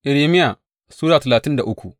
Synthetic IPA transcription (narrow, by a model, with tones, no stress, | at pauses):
ʔɪ˨ɽeː˨mɪ˦ja˨ | suː˦ɽaː˨tɐ˨laː˨tɪ˦nda˨ʔʊ˦kʷu˨ʔ